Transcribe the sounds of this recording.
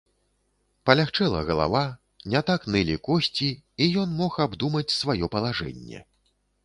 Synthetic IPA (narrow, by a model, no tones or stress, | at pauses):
pɐlʲaxt͡ʂɛlˠɐ̰ɣɐlˠa̰va | nʲat̪aknɨlʲikɔsʲt͡sʲiːjɔnmɔxabd̪umɐt͡sʲsvajɔpɐlˠaʐɛ̰nʲːɛ̰